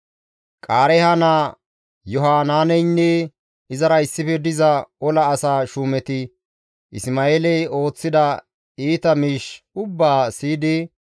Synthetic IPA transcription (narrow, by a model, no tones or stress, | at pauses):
kʼaːɾɛhɐnaː | jɔɦaːnaːnɛjnːɛ | ɪzɐɾɐɪsːɪfɛd̪ɪzɐɔlɐːsaːʃuːmɛt̪ɪ | ʔɪsmaːeːlɛjo̞ːt͡sːɪd̪ɐ | iːt̪ɐmiːʃ | ʊbːaːsiːd̪ɪ